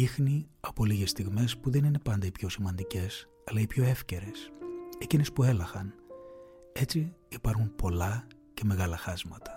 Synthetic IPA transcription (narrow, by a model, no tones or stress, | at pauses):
ixniɐpo̞liɣe̞st̪iɣme̞spuðe̞nine̞pɐnd̪ɐipço̞simɐnd̪ice̞s | ɐlɐipço̞e̞fce̞ɾe̞secine̞spue̞lɐxɐn | e̞t͡siːpɐɾxumpo̞lɐ | ce̞me̞ɣɐlɐxɐzmɐt̪ɐ̥